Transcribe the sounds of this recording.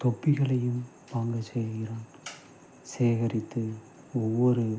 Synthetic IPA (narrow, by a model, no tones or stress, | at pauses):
t̪ɔpːɪɣɐɭɐjɯm | paːŋɡɐt͡ʃːɛjðɯɣɪɾaːn | seːɣɐɾɪt̪ːɯ | ɔʋːɔɾɯ